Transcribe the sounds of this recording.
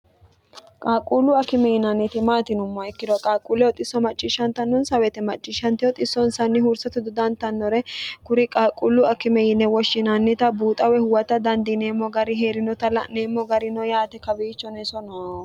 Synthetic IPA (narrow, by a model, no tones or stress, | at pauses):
kʼaːkʼːuːlʊɐkɪmɛjɪnɐnːɪt̪ɪmaːt̪ɪnʊmːɔɛkːɪd̪ɔkʼaːkʼuːlɛwɔt̪ʼɪsːɔmɐt͡ʃʼːɪʃɐnt̪ɐnːɔnsɐwɛt̪ɛmɐt͡ʃʼːɪʃɐnt̪ɪjɔt̪ʼɪsːɔnsɐnːɪhʊɾsɐt̪ʊd̪ʊd̪ɐnt̪ɐnːɔɾɛkʊɾɪkʼaːkʼuːlːʊɐkɪmɛjɪnːɛwɔʃɪnɐnːɪt̪ɐbuːt̪ʼɐwɛhʊwɐt̪ɐd̪ɐnd̪ɪneːmːɔɡɐɾɪɦeːɾɪnɔt̪ɐlɐneːmːɔɡɐɾɪnɔjaːt̪ɛkɐbiːt͡ʃːɔnɛsɔnɔ